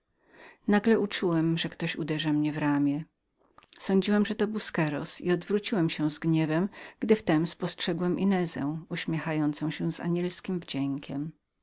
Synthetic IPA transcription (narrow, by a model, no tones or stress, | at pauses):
naɡlɛʔut͡ʂuwɛmʐɛkt̪ɔɕṵd̪ɛʐamɲɛvɾamʲjɛ | sɔ̃ɲd͡ʑiwɛmʐɛt̪ɔbuskɛɾɔ̰sḭɔd̪vɾut͡ɕiwɛmɕɛw̃zɡɲɛvɛmɡ̥d̪ɘft̪ɛmspɔstʂɛɡwɛmʔḭnɛzɛ̰̃w̃uɕmʲjɛxajɔnt̪sɔ̃w̃ɕɛw̃za̰ɲɛlskʲimvd͡ʑɛŋkʲɛm